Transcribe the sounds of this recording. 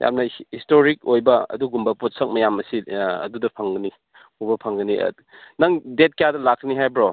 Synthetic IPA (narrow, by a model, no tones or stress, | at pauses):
ja̰mnɐhistoɾik̚ojbɐɐ̰duɡumbɐpot̚sɐk̚mɐjamɐsiɐ̰dudɐpʰɐŋɡɐni | ubɐpʰɐŋɡɐnḭ | nɐŋdet̚kɐjadɐlakʰːɐniɦajbɾo